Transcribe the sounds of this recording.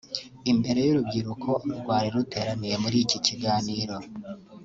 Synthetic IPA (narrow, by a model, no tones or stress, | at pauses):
imbe̞ɾe̞juɾub̚ɡiɾukʰo̞ɾɡwaːɾiɾute̞ːɾaniɾe̞muɾiciciɡaːniːɾo̞